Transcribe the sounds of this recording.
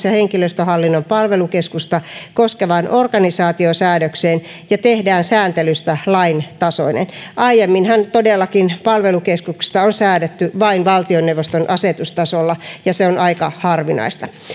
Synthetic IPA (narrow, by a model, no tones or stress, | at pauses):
sjɑheŋkiløst̪øhɑlːinːompɑlʋelukeskust̪ɑkoskeʋɑːnʔorɡɑnisɑːt̪iosæːdøkseːn | jɑt̪ehdæːnsæːnt̪elyst̪ælɑint̪ɑso̰inḛnʔɑijemːinhænt̪odelːɑkinpɑlʋelukeskuksst̪ɑonsæːdøt̪ːyʋɑinʋɑlt̪ionːeuʋːost̪onʔɑset̪ust̪ɑsolːɑjɑseonɑikɑhɑrʋinɑ̰ist̪ɑ